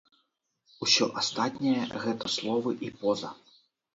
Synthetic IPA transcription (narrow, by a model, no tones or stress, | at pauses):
usʲɔ̰ʔast̪at̪ʲnʲɛjɐ̰ɣɛt̪ɐslˠɔʋɨʔipɔzɐ̰